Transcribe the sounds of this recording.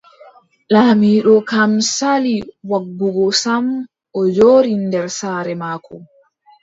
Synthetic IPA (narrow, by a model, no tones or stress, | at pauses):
lamiːɗɔkamsaliwaɡːuɡɔsam | ʔɔd͡ʒoːɾindɛɾsaːɾɛmaːkɔ